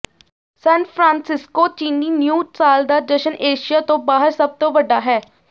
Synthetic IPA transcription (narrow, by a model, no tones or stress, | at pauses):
sɛ̃ːnpʰɾãːnsɪskoːt͡ʃiːniːnjuːsaːld̪aːd̪əʃənʔeːʃijaːt̪õːbaːɦəɾsəb̚t̪õːʋəɖaːɦɛː